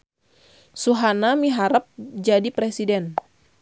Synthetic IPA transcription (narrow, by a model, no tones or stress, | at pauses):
suɦanamiɦaɾəp̚d͡ʒadipɾɛsidɛn